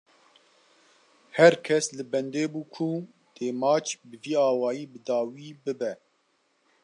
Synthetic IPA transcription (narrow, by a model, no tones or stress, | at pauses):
hɛɾkʰɛslɨbɛnd̪eːbuːkʰu | d̪̥eːmaːt͡ʃʰbɨviːaːwɑːjiːbɨd̪ɑːwiːbɨbɛ